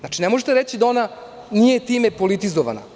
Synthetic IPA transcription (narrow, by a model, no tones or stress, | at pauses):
zaʈ͡ʂinɛmo̞ʒet̪eɾet͡ɕid̪ao̞na | nijet̪iːmepo̞lit̪izoʋa̰na̰